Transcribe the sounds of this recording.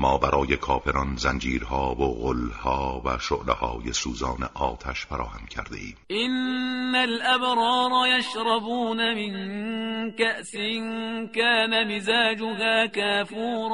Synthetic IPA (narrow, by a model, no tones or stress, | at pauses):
mɒːbæɾʔɒːje̞kʰɒːfʰe̞ɾɒnzænd͡ʒiːɾhɒːvoɣolːhɒːvæʃo̰ʔlḛhɒːje̞suːzɒːnḛʔɒːt̪ʰæʃfæɾɒːhæmcʰæ̰ɾd̪e̞̰ʔiːmʔɪnːalʔabɾˤɑːɾˤɑjaʃɾˤɑbuːnamɪn | kaʔsɪnkaːnamɪzaːd͡ʒʊɦaːkaːfuːɾˤ